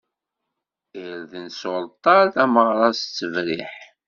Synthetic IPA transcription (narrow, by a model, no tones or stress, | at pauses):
iɾðənsolt̪ˤɑɾθæməʁɾˤɑst͡sːəvɾḭħ